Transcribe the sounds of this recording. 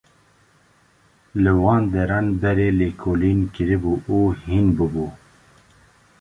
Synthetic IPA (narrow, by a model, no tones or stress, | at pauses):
lɨwɑːnd̪ɛɾɑːnbɛɾeːleːkʰoːlinkɨɾɨbuːʔuːhinbɨbuː